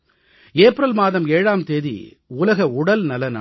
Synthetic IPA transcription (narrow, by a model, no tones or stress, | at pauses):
eːpɪɾɐlmaːðɐmeːɻaːmt̪eːðḭ | ʊlɐɣɐʊɽɐlnɐlɐna